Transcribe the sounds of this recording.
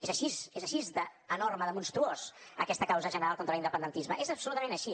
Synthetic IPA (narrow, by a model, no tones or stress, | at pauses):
ezəʃisezəʃizðəːnorməðəmunst̪ɾuozəkɛst̪əkawzəʒənəɾalˠkont̪ɾəlind̪əpənd̪ənt̪izməʔezəpsulut̪əmẽnəʃi